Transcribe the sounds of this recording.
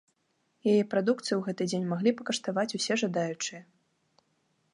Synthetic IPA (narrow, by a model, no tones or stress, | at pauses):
jajɛpɾad̪ukt̪sɨjwɣɛt̪ɨd͡zʲenʲmaɣlʲipɐkɐʂt̪avat͡sʲusʲɛʐad̪ajut͡ʂɨjɐ